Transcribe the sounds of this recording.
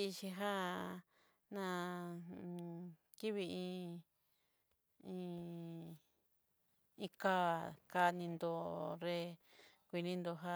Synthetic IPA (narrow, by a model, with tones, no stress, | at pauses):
t͡ʃĩ˧ɦa˦ | nã˧ | ki˦βi˧ĩ˧ | ĩ˧ | ĩ˧ka˦ka˧nĩ˧nd̪o˧ɾe˧ | kʷi˧nĩ˦˧nd̪o˧ɦa˦